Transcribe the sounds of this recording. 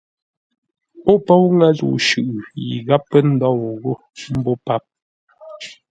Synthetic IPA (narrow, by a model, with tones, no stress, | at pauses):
o˦pɔ˦wŋa˦zṵ˨ʃʉ˨ʔjḭ˨ɣa˦pːə˦n̩˦dɔ˦˨wɣo˦˨ | m̩˦bo˦pa˦p̚